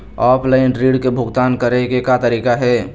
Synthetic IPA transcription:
ɔːpʰlaɪnɾiːɖkebʱʊɡt̪aːnkəɾekekat̪əɾiːkaɦɛː

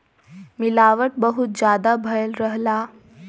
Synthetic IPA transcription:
miːlaʋəʈ̚bəɦut̪̚d͡ʑad̪abʱəjəlɾəɦla

